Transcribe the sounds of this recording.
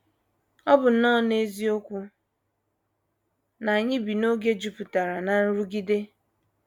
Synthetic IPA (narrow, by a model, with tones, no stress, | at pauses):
ɔ˦bʊ˨n̩˨˦nɔː˦˨ne˦zi˦o˦kʷu˦ | na˨a˨ɲɪ˦bi˨no˦ɡe˦d͡ʒu˨pʊ˨ta˨ɾa˨na˨n̩˦ɾu˦ɡi˦de˦